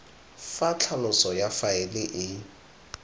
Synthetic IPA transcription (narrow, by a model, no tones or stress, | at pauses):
fat͡ɬʰalʊsɔjafaɪlɪʔɪ